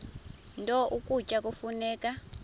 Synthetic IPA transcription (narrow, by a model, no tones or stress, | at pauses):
ntʼɔʔukut͡ʃʼak̬ʼufunɛːkʼa